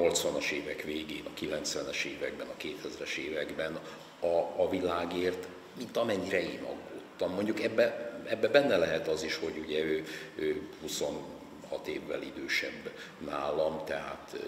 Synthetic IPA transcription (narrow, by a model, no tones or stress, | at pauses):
o̞lt̪sʋɒnɒʃeːvɛkveːɡeːnɒkilɛnt̪sʋɛnɛʃeːvɛɡ̚bɛnɒkeːt̪hɛzɾɛʃeːvɛɡbɛn | ɒːvilaːɡeːrt̪ | mint̪ɒmɛɲːiɾɛḛːnɒ̰ɡːoːt̪ːɒmːo̞ɲɟukɛbːɛɛbːɛbɛnːɛlɛɦɛt̪ɒziʃho̞ɟuɟɛøːøːhuso̞n | hɒt̪eːvːɛ̰lid̪øːʃɛ̰bː | naːlɒmt̪ɛɦa̰ːt̪